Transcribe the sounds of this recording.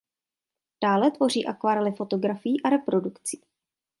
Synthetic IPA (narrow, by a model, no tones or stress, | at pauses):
d̥aːlɛt̪vo̞r̝iːʔakvaɾɛlɪfo̞t̪o̞ɡɾafɪjiːʔaɾɛpɾo̞dukt͡siː